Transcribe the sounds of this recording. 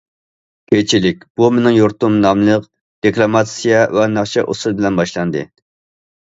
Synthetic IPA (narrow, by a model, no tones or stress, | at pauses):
kʲʰet͡ʃʰilɪkʲb̥umenɪŋjoɾt̪umnɑmlˠəq | d̪̥eklˠɑmɑt̪sijɛvɛnɑχʃɛʔo̰sɨlˠbɪlɛnbɑʃlˠɑnd̪ɨ